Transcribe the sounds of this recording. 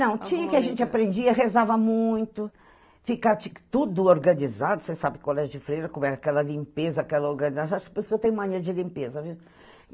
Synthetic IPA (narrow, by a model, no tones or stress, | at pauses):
nɐ̃w̃t͡ʃĩɐkɪaʒẽnt͡ʃɪapɾẽnd͡ʒiɐɦezavɐmũj̃t̪ʊ | fikat͡ʃikt̪ud̪ʊoɾɡɐ̃nizad̪ʊsesabɪkɪkwalɛɐd͡ʒɪfɾejɾɐkõmɛakɛlɐlĩmpezɐakɛlɐoɾɡɐ̃nizasaʃkpoɾisʊkɪewt̪ẽɲ̃umɐ̃ɲĩɾɐd͡ʒɪlĩmpezɐviw